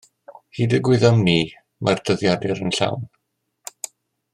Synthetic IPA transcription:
hiːdəɡwɪðamniː | mʔard̥əðjadɨɾənɬa̰wn

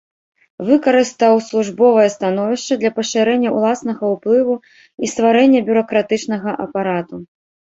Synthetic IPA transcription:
vɨkɐɾɨst̪awslˠuʐbɔvɐjɐst̪anɔvʲiʂt͡ʂɐd̪lʲɐpɐʂɨɾɛnʲːɐṵlˠasn̪ɐɣɐwplˠɨvu | ist̪vaɾɛnʲːɐbʲuɾɐkɾat̪ɨt͡ʂnɐɣɐʔɐ̰paɾat̪u

